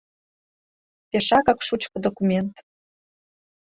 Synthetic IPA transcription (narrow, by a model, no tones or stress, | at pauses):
pʲeʃɑkɑkʃut͡ɕkɤ̆d̪okumʲent̪